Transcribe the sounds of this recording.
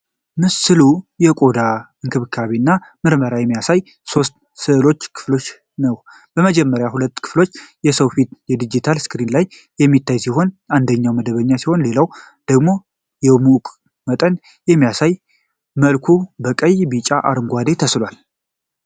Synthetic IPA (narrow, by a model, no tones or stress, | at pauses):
mɨsɨlujɛkʼo̞d̪a | ɨŋkʰɨβɨkʰːaβinːamɨɾməɾajɛmːijasaj | so̞st̪ | sɨɨlo̞t͡ʃːkʰɨ̥flo̞t͡ʃː | nəw | bəməd͡ʒɛmːəɾjahulət̪ːkʰɨ̥flo̞t͡ʃːjɛsəwfit̪jɛd̪id͡ʒit̪ʰalskɨɾinlajː | ɛmːit̪ːajsiho̞nand̪əɲːawməd̪əβəɲːasiho̞nle̞law | d̪̥əɡmo̞ | jɛmukʼ | mət̪ʼən | jɛmːijasaj | məlkʰubəkʼəjbit͡ʃʼaʔa̰ɾɨŋɡʷad̪e̞t̪ʰəslwal